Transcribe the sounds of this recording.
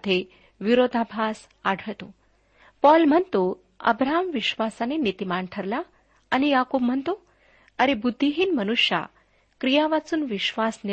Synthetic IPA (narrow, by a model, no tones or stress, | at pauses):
d̪ʱe | ʋiɾod̪ʱabʱas | aɽʱəɭt̪o | pɔlm̤ənt̪o | ə̰bɾaɦamʋiɕʋasanenit̪imaɳʈʰəɾla | añijakob̚m̤ənt̪o | əɾebud̪ʱːiɦiːnmənuʂja̰ | kɾijaʋat͡suːnʋiɕʋasni